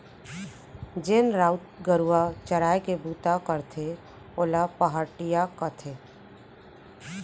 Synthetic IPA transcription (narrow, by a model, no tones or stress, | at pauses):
d͡ʒenɾaːʊt̪ɡəɾuwat͡ʃəɾaːekebuːt̪akəɾt̪ʰe | olapəɦəʈijakət̪ʰeː